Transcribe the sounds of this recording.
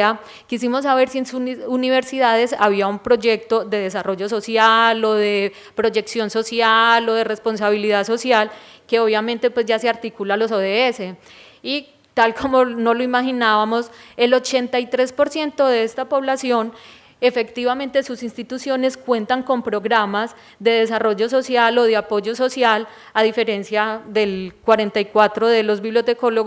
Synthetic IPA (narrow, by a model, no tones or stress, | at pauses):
a | kisimo̞s̬ːaβe̞ɾsie̞nsuuniβeɾsiðaðe̞saβiaumpɾo̞d͡ʒe̞k̚t̪o̞d̪e̞ðe̞s̬aro̞ʝo̞s̬o̞sjalo̞ðe̞ | pɾo̞d͡ʒe̞ksjo̞nso̞sjalo̞ðe̞re̞spo̞ns̬aβiliðaso̞sjalke̞o̞βjamẽnt̪e̞pwe̞zd͡ʒaseaɾt̪ikulalo̞s̬oðeese | i | t̪alkʰo̞mo̞no̞loimaxinaβamo̞se̞lo̞t͡ʃe̞nt̪ajt̪ɾe̞spo̞ɾsje̞nt̪o̞ðeest̪apo̞βlasjo̞n | e̞fe̞kt̪iβament̪e̞susinst̪it̪usjo̞ne̞skwe̞nt̪aŋko̞mpɾo̞ɣɾamaz | d̪e̞ðe̞s̬aro̞ʝo̞s̬o̞sjalo̞ðeapo̞ʝo̞so̞sjal | aðife̞ɾe̞nsjaðe̞lkwaɾe̞nt̪ajkwat̪ɾo̞ðe̞lo̞zbiβljo̞t̪e̞ko̞loɣ